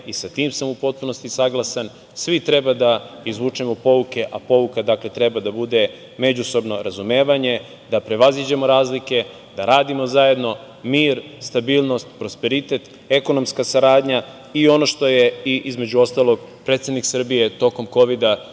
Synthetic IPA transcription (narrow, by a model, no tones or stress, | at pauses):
isat̪iːmsamupo̞t̪̚puno̞st̪isaɡlˠasan | sʋit̪ɾe̞bad̪aizʋuːt͡ʂemopo̞uke̞ʔapo̞ʋukad̪akle̞t̪ɾe̞bad̪abud̪e̞ | me̞d͡ʑuso̞bno̞ɾazumeːʋaɲe̞ | d̪apɾe̞ʋazid͡ʑemo̞ɾaːzlike̞ | d̪aɾaːd̪imozaje̞d̪no̞ | miːɾst̪abiːlˠno̞st̪pɾo̞spe̞ɾit̪e̞t̪ | e̞ko̞no̞mskasaɾaːd̪ɲa | io̞no̞ʃt̪o̞je̞iʔizme̞d͡ʑuo̞st̪alˠo̞ɡ̚pɾet̪sed̪niksr̩bije̞t̪o̞ko̞mko̞ʋid̪a